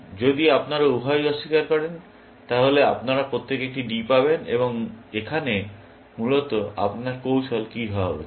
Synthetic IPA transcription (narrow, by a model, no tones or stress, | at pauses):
d͡ʑod̪iapnaɾauɦajɔʃːikaɾkɔɾen | t̪aɦolea̰pnaɾapɾot̪ːekeek̚ʈiɖipaβenḛβoŋekʰane | mulot̪oa̰pnaɾkowʃʰolkiɦɔɦɔbe